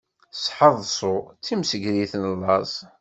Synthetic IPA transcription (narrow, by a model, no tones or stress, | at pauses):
sħəðˤsˤʊt͡sːimsəɡɾiθnəlːɑzˤ